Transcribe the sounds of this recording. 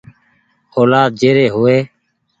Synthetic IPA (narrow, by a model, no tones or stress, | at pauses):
oːlaːt̪̚d͡ʒeːɾeːɦʊːeː